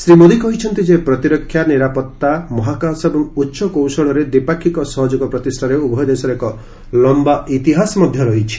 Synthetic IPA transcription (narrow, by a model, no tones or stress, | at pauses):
sɾimod̪ikɔɦit͡ʃʰɔnt̪id͡ʒepɾɔt̪iɾɔkʰːjaniɾapɔt̪ːamɔɦakasɔebɔŋutːʃɔkowsɔɭɔɾed̪ipakʰːikɔsɔɦɔd͡ʒukɔpɾɔt̪isʈʰaɾeubʱɔjɔd̪esɔɾekɔ | lɔmbaʔit̪iɦasɔmɔd̪ʱjɔɾɔɦit͡ʃʰi̥